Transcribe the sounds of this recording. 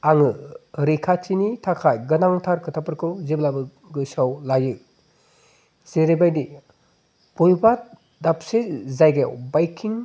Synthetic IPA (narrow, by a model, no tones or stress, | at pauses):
aŋɯɾikʰat͡ʃinitʰakʰajɡɯnaŋtʰaɾkʰɯtʰapɯɾkʰɯwzeblabɯ | ɡɯsawlajɯ | z̥eɾebajdi | b̥ɔjba | dapsezajɡewbajkʰiŋ